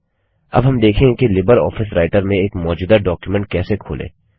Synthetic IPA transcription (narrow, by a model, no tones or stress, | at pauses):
ɐ̰bɦɐmd̪eːkʰẽkelɪbəɾɔ̰ːfɪsɾaːɪʈəɾmẽeːkmɔːd͡ʒuːd̪aɖɔːkjumɛ̃ɳʈ̚kɛːsekʰo̰ːlḛ̃ː